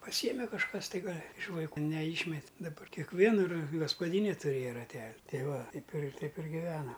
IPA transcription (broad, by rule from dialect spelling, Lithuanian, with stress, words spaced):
pɐˈsʲiːjɛmʲɛ kɐʃˈkɐs tɐɪ ˈɡɐlʲ ɪʃ ʋɐɪˈkuː nʲɛˈiːʃʲmʲɛtʲ dɐˈbɐ kʲɛkˈʋʲiɛnɐ rɐ ɡɐspɐˈdʲiːnʲɛ tʊˈrʲeːjɛ rɐˈtʲɛlʲ ˈtʲɛɪ ˈʋɐ ˈtʲɛɪp ɪr ˈtʲɛɪp ɪr ɡʲɪˈʋʲæːnɐm